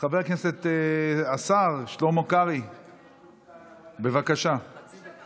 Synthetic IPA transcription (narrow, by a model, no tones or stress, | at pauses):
χaveʁkneset̪asaʁʃlomokaʁi | be̞vakaʃa